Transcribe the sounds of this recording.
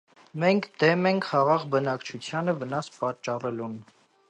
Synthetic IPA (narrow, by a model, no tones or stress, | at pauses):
mɛŋkʰd̪ɛmɛŋkʰχɑʁɑʁbənɑkt͡ʃʰut͡sʰjɑnəvənɑspɑt͡ʃːɑrɛlun